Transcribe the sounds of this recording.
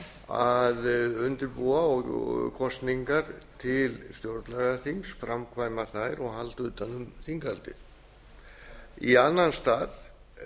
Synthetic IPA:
aðʏnt̪ɪɾpuaɔɣkʰɔst̪niŋkaɾt̪ʰɪlst̪jowɾt̪laɣaθimsfɾamkʰvaːjmaθajɾɔɣɦalt̪ʏt̪anːʏmθiŋkalt̪ɪ̰ð | ianːanst̪aːð

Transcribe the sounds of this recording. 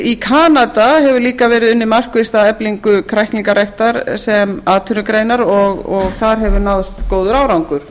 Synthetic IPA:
ikʰaːnat̪ahɛvʏɾliːkavɛːɾɪðʏnːɪmar̥kvɪst̪aɛpliŋkʏkʰɾajhk̪niŋkaɾajht̪aɾsɛmaːt̪ʰʏnʏkɾejnaɾɔɣɔɣθaɾɦɛvʏɾnaːðast̪koːwðʏɾaːwɾawŋkʏɾ̥

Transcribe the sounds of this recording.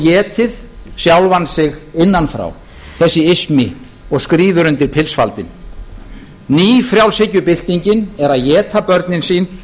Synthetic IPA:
jɛːt̪ʰɪðsjawlvansɪɣɪnːanfɾa̰w | θɛsːɪɪsmɪ | ɔɣskɾiːvʏɾʏnt̪ɪɾpʰɪlsfa̰lt̪ɪn | niːfɾjawlsɪcːʏpɪl̥t̪iɲcɪnɛɾaðjɛːt̪ʰapœɾt̪nɪnsiːn

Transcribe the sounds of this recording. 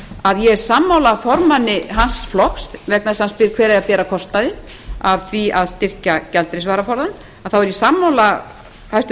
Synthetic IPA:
aðjɛɛɾ̥samːawlafɔɾmanːɪɦansflɔxst̪vɛknashanspɪɾ̥kʰvɛːɾajapɛːɾakʰɔst̪aðɪ | aðθviaðst̪ɪr̥cacɛlt̪ɾesvaːɾafɔɾðan | aðθawɛɾjɛsamːawla | hajst̪

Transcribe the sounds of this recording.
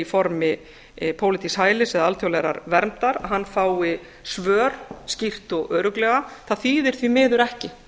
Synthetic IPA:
ifɔɾmɪ | pʰowlɪt̪ʰishaːjlɪsɛðaalt̪ʰjowlɛɾa̰ɾvɛɾmt̪aɾaɦanːfaːwɪ | svœːɾ̥scir̥t̪ɔɣœːɾʏklɛːɣaθaðθiːðɪɾ̥θvimɪːðʏɾɛhcɪ

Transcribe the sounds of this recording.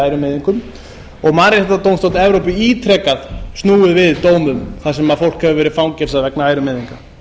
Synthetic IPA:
aːjɾʏmɛːðiŋkʏm | ɔɣmaːɾɪθɛht̪ːat̪owmst̪owt̪nɛvɾowpɪiːt̪ʰɾɛkaðst̪nuːɪðvɪðt̪oːwmʏmθasɛmaðfowl̥khɛvʏvɛːɾɪfawncɛfs̬aðvɛknaaːjɾʏmɪːðiŋka

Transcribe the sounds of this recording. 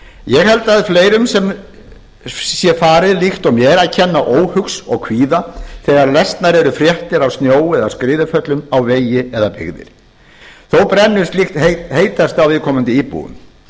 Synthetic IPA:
jɛɣhɛlt̪aðɪfleːjɾʏmsɛm | sjɛfaːɾɪðlixt̪ɔmjɛɾaðcʰɛnːaʔoːwhʏksɔɣkʰviːðaθɛːɣaɾlɛst̪naɾɛɾʏfɾjɛht̪ɪɾawst̪njoːwɛðaskɾɪːðʏfœt̪lʏmawveːjɪɛðapɪ̰ɣðɪ̰ɾ̥ | θowpɾɛnːʏɾ̥st̪lɪxt̪hejt̪ɦeːjt̪ast̪awvɪðkʰɔːmʏnt̪ɪipṵʏ̰m

